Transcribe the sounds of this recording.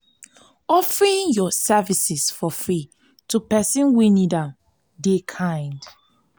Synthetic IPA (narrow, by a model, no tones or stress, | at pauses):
ɔfɹĩnjɔsɛvisisfɔfɹi | tupɛsĩnwinidãm | dekʰãɪ̃nd